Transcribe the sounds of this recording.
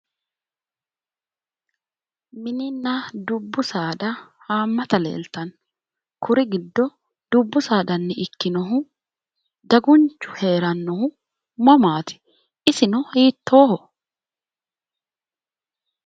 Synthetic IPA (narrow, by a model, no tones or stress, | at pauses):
mɪnɪnːɐd̪ʊbːʊsaːd̪ɐhaːmːɐt̪ɐlḛːlt̪ɐn | kʰʊɾɪɡɪd̪ːɔ | d̪̥ʊbːʊsaːd̪ɐnːɛɪkːɪnɔɦʊ | d̪ɐɡʊnt͡ʃːʊ̥he̞ːɾɐnːɔhʊ | mɐmaːt̪ɪ̥ | ɪsɪnɔhiːt̪ːo̞ːhɔ